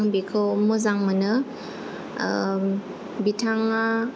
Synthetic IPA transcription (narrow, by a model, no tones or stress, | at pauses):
ŋbikʰɯmɯzaŋmɯnɯ | bitʰaŋa